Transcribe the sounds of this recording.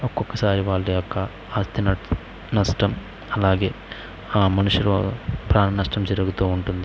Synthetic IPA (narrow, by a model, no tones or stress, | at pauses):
okːokːɐsaːɾiʋaːlːiɐkːa | aːst̪ʰinɐ | nɐsʈɐm | ɐlːaːɡeː | aːmɐnuʃjɐɾo̰pɾaːnɐnɐsʈɐmd͡ʒiɾɐɡut̪oːuɳʈund̪i